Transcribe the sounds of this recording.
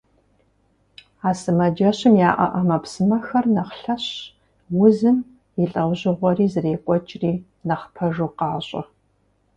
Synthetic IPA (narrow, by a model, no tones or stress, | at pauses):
aːsɨmɐd͡ʒɐɕɪmjaːʔɐ̰ʔɐmɐpsɨmɐxɐrnɐχɬɐɕ | wʊzɨm | jɪɬʼɐwʑɪʁʷɔriːzɨreːkʷʼɔt͡ʃʼriː | nɐχpʰɐʒuːqɑːɕʼɐ̰